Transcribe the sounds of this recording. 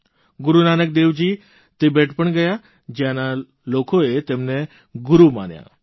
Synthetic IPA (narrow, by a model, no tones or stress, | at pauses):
ɡuɾunanək̚d̪eʋd͡ʑiː | t̪ebɛʈʰpəɳɡəja | d͡ʑjãna | lokoet̪emne | ɡuɾuma̰nja̰